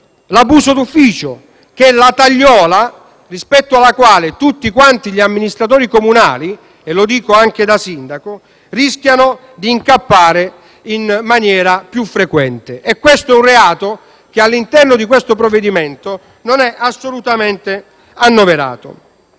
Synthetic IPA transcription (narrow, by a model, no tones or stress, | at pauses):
labuːsod̪ufːiːt͡ʃo | k̟lat̪aʎːɔːla | rispɛt̪ːoalːakwaːlɪt̪ut̪ːikwant̪iʎiamːinist̪ɾat̪̬oːɾikomuna̰ːli | elod̪iːkoaŋk̟ed̪asind̪ako | risk̟jano | d̪iːŋkapːaːɾe | inmanjɛːɾapjufːɾekwɛnt̪ɪʔɛkːwest̪oɛunreaːt̪o | k̟ealːint̪ɛrnod̪ikwest̪opɾovːed̪iment̪o | nonɛʔasːolut̪amɛnt̪e | anːoveɾa̰ːt̪o̰